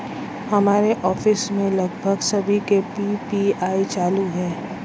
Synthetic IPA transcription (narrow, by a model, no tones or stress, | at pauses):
hɐmaːɾeʔɔːfɪsmẽlɐɡbʱəɡsɐbʱikepipiaːit͡ʃaːluɦɛː